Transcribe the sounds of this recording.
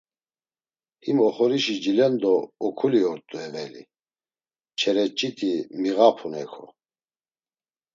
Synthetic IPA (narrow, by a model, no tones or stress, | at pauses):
himɔχɔɾiʃid͡ʒilɛnd̪ɔːkʰuliɔɾt̪ʼuɛvɛlḭ | t͡ʃʰɛɾɛt͡ʃʼit̪ʰimiɣapʰunɛkʰɔ̰